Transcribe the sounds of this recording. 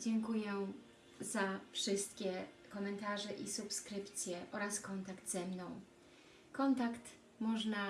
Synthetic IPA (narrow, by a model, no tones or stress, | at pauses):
d͡ʑɛŋkujɛ | zafʂɘst̪kʲɛ | kɔmɛnt̪aʐɛʔisupskɾɘpt̪sʲjɛʔɔɾaskɔnt̪akd̪zɛmnɔ̃w̃ | kɔnt̪akt̪ | mɔʐna